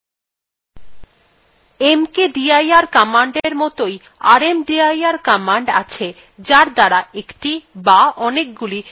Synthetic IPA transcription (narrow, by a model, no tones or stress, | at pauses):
emkeɖiajaɾkamaɳɖeɾmɔt̪oj | aɾemɖiajaɾkamaɳɖa̰t͡ɕʰe | d͡ʑaɾd̪aɾaekʈibaɔnek̚ɡuli